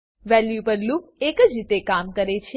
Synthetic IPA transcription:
ʋɛljupəɾluk̚ekəd͡ʒit̪ekamkəɾet͡ʃʰ

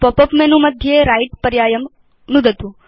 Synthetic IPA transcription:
popəpmenũməd̪ʱjeɾaiʈ̚pəɾjajəm | nud̪ʱət̪ũ

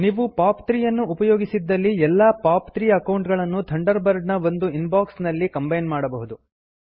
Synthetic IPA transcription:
niːʋupaːpt̪ɾijɐnːuːpɐjoːɡisid̪ːɐlːiɛlːaːpaːpt̪ɾiːɐkɐwɳʈɡɐɭɐnːut̪ʰɐɳɖɐɾbɐɾɖnɐo̞nd̪uinbaːksnɐlːikɐmbɐjnmaːɽɐbɐɦud̪u

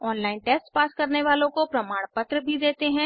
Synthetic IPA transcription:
ɔːnlaːɪnʈeːsʈpaːskɐɾneʋaːlõkopɾɐmaːɽ̃pət̪ɾəbʱid̪eːt̪eɦɛ̃

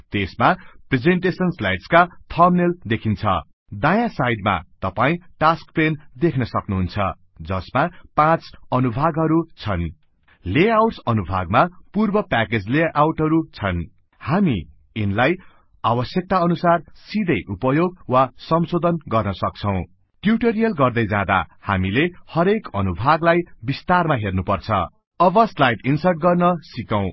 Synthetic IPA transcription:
t̪esmapred͡zeɳʈesʌnsla̰jɖskat̪ʰʌmneld̪ekʰint͡sʰʌ̰ | d̪ajasajɖma̰t̪ʌpaĩʈaskpend̪ekʰnʌsʌknuɦunt͡sʰʌ̰ | d͡zʌsmapãt͡sʌnubʱaɡɦʌɾut͡sʰʌn | leawʈsʌnubʱa̰ɡ̚mapurbʌpaked͡zleʔawʈʌɾut͡sʰʌn | hami | inlaj | abʌsjʌk̚t̪aʌnusarsid̪ʱʌjʔupʌjoɡ̚wasʌmsod̪ʱʌnɡʌrnʌsʌk̚t͡sʰʌ̃w̃ | ʈjuʈeɾijʌlɡʌrd̪ʌjd͡zã̰d̪a̰ha̰milehʌɾekʌ̰nubʱaɡlajbist̪armaɦernupʌrt͡sʰʌ̰ | ʌbʌslajʈinsʌrʈ̚ɡʌrnʌsikaw̃

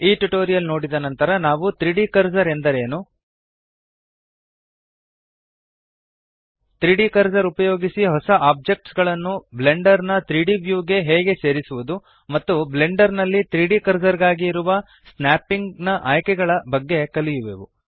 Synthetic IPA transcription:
iːʈuʈoːɾijɐlno̞ːɽid̪ɐnɐnt̪ɐɾɐnaːʋut̪ɾiɖikɐɾd͡ʒɐɾe̞nd̪ɐɾe̞ːnu | t̪ɾiːɖikɐɾd͡ʒɐɾupɐjo̞ːɡisiɦɔsɐʔaːb̚d͡ʒe̞k̚ʈsɡɐɭɐnːuble̞ɳɖɐɾnɐt̪ɾiːɖiʋjuːɡe̞ɦɛːɡe̞se̞ːɾisuʋud̪u | mɐt̪ːuble̞ɳɖɐɾnɐlːit̪ɾiːɖikɐɾd͡ʒɐɾɡaːɡiːɾuʋɐ | snaːpːiŋɡnɐʔaːjkɛɡɐɭɐbɐɡːe̞kɐlijuʋeːʋu

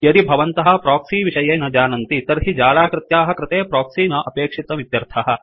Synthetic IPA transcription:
jɐɾibʱɐʋɐnt̪ɐɦɐpɾaːksiːʋiʃɐjɐːnɐd͡ʒaːnɐnt̪it̪ɐɾɦid͡ʒaːlaːkɾɪt̪jaːɦɐkɾɪt̪eːpɾaːksiːnɐʔɐpeːkʂit̪ɐʋid̪jɐɾt̪ʰɐɦɐ

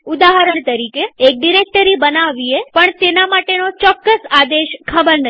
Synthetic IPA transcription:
ud̪aɦəɾəɳ̃t̪əɾikeːk̚ɖiɾek̚ʈəɾibənaʋiepəɳt̪enamaʈenot͡ʃɔkːəsad̪eʃkʰəbəɾnə

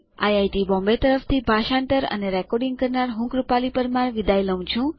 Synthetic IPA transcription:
a̰jajʈibɔ̃mbet̪əɾəft̪ʰibʱaʃãnt̪əɾə̰neɾɛkɔɾɖĩŋɡ̚kəɾnaɾɦũkɾupalipəɾmaɾʋid̪ajləw̃t͡ʃʰũ

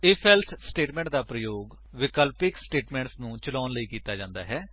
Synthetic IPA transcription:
eːpʰɛːlt̪ʰsʈeːʈmɛ̃ːɳʈd̪aːpɾəjoːɡ | ʋɪkəlpɪksʈeːʈmɛ̃ːɳʈsnũːt͡ʃəlɔːnləiːkiːt̪aːd͡ʒãːnd̪a̰ːɦɛː

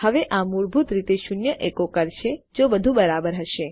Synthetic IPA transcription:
həʋeʔamuɾbʱut̪ɾit̪eʃunjəʔekokəɾʃed͡ʒobəd̪ʱũbəɾabəɾɦəʃe

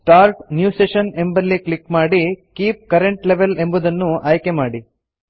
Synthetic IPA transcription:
ʈaːɾʈnjuːseʃɐne̞mbɐlːiklikmaːɽikiːp̚kɐɾeɳʈleʋele̞mbud̪ɐnːuaːjkemaːɽi

